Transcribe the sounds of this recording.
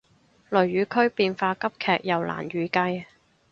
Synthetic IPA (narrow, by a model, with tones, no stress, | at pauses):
lɵ˨˩ɥɥyː˨˥kʰɵ˥ɥpiː˧nfaː˧kɐ˥p̚kʰɛː˨˩k̚jɐ˨˩wlʔa̰ː˨˩nɥyː˨˧kɐ˧j